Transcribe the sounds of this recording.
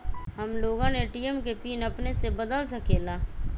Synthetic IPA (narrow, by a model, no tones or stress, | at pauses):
ɦəmloːɡãneʈiːəmkepiːnəpnesebəd̪əlsəkeːlaː